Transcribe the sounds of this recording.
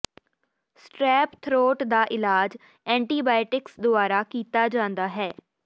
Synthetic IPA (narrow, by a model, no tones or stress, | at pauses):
sʈɾɛːpt̪ʰɾoːʈd̪aːʔɪlaːd͡ʒ | ɛ̃ːɳʈiːbaːɪʈɪksd̪ʊaːɾaːkiːt̪aːd͡ʒãːnd̪aːɦɛː